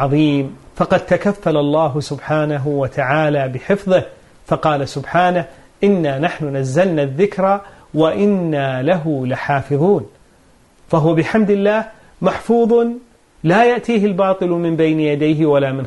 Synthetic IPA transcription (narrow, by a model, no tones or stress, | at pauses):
ɑðˤiːmfɑqɑd̪̚t̪akafːalalˤːɑːɦʊsʊbħaːnaɦʊwat̪ʰaʕaːlaːbɪħɪfðˤɨh | fɑqɑːlasʊbħaːnah | ʔɪnːaːnaħnʊnazːalnaðːɪkɾˤa | waʔɪnːaːlaɦʊlɪħaːfɨðˤuːn | faɦʊwabɪħamd̪ɪlːaːh | maħfuːðˤ | laːjaʔt̪iːɦɪlbɑːt̪ˤɨlmɪmbajnɪjad̪ajɦɪwalaːmɪn